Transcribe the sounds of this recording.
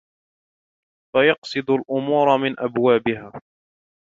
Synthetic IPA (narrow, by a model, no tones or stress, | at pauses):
fajɑqsˤɨd̪alʔʊmuːɾˤɑmɪnʔabwaːbɪɦaː